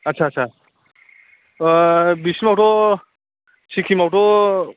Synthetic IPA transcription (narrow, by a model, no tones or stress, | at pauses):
ətːt͡ʃʰaːʃʰa | bisimawʈo | sikʰimawʈo